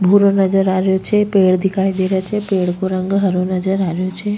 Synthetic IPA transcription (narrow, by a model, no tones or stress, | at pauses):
bʱuɾonəd͡ʒəɾaʋjot͡ʃʰepeɭd̪ikʰajd̪eɾjat͡ʃʰepeɭkoɾəŋɡɦəɾonəd͡ʒəɾaʋjot͡ʃʰe